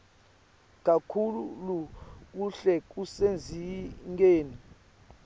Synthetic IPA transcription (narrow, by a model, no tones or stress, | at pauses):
k̬ʼakʰulṵluk̬uɬɛk̬usend͡zʱiŋɡeːni